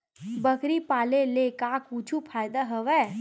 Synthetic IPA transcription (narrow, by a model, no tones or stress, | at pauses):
bəkɾipaːlelekakut͡ʃʰupʰaːjd̪aɦəʋɛ